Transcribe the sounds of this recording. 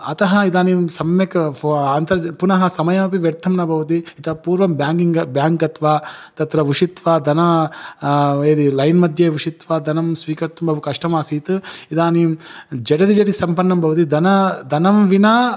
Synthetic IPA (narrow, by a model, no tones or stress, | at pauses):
ɐt̪ɐɦɐid̪aːnimsɐmjɐkaːnt̪ɐɾpunɐɦɐsɐmɐjɐmɐpiʋjɐɾt̪ʰːɐmnɐbʱɐʋut̪̬iit̪ɐpuːɾʋɐmbjaːŋɡiŋɡɐbjaːŋkɐt̪ʋaːt̪ɐt̪ɾɐʋiʂit̪ʋaːd̪ʱɐnɐ | eːd̪ilɐjnmɐd̪ʱjeːʋiʂit̪ʋaːd̪ʱɐnɐmsʋiːkɐɾt̪umbɐbʱukɐʂʈɐmaːsiːt̪ɨid̪aːnimd͡ʒɐɽɐd̪id͡ʒɐʈisɐmpɐnːɐmbʱɐʋt̪̬id̪ʱɐnɐd̪ʱɐnɐmʋinɐ